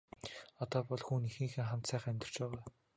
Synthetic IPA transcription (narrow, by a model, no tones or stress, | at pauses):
ɔt̪ɔːpɔɮxuːnixiːxĕŋχam̥t̪sæːχæmʲt̪ɪ̆r̥t͡ɕpæːʁaː